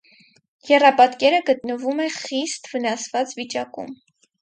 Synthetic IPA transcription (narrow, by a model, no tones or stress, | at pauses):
jɛrɑpɑt̪kɛɾəɡət̪nəvumɛχist̪vənɑsvɑt͡svit͡ʃɑkṵm